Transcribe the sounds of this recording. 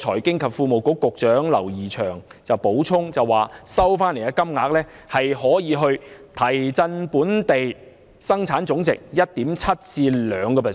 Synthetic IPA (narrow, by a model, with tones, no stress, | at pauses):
t͡ʃʰɔː˨˩jkɪ˥ŋkʰɐ˨p̚fuː˧mo˨wkʊ˨˥kːʊ˨k̚t͡ʃœː˨˥ŋlɐ̰˨˩wjiː˨˩t͡ʃʰœː˨˩ŋ | t͡sɐ˨wpo˨˥wt͡sʰʊ˥ŋt͡sɐ˨wːaː˨sɐ˥wfaː˥nle˨˩aː˧kɐ˥mŋaː˧k̚lɛː˥ | hɐ˨jɦɔː˨˥jiː˨˧ɦɵ˧ɥt̪ʰɐ˨˩jt͡sɐ˧npuː˨˥nt̪e˨j | sɐ˥ŋt͡sʰaː˨˥nt͡ʃʊ˨˥ŋt͡sɪ˨k̚jɐ˥t̚t̪iː˨˥mt͡sʰɐ˥t̚t͡siː˧lœː˨˧ŋkɔː˧pʰɛ˨˩